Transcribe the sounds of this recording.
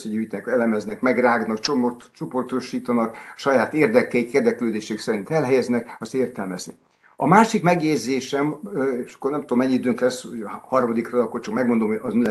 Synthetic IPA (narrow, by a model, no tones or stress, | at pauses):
sɛɟyɟ̪ɛkɛlɛmɛznɛkmɛɡraːɡnɒkt͡ʃo | t͡ʃopo̞rt̪o̞ʃiːt̪ɒnɒkʃɒjaːt̪eːrd̪ɛkːɛikeːrd̪ɛkløːd̪eːʃɛksɛɾint̪ɛlɦɛjɛznɛkɒst̪eːrt̪ɛlmɛznḭ | ɒmaːʃikmɛɡjezːeːʃɛmeʃɒ̥kːornɛmt̪uoomɛɲːiid̪øːŋklɛsːhohɒrmɒd̪ikrɒɒkːort͡ʃɒkmɛɡmond̪omoɒzmilɛ